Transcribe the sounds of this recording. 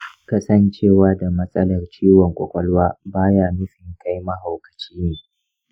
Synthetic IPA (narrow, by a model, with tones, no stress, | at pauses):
kɐ˦sɐ˦nt͡ʃeː˦˨waː˦da˨mɐ˦sʼɐ˦lɐ˨rt͡ʃiː˦wɔ˨ŋkʷʼɔ̰˨kʷʼɔ˦lwaː˦baː˦jaː˦mɪ˦sɪ˨ŋka˦jma˦ha˨kɐ̥˨t͡ʃiː˦neː˨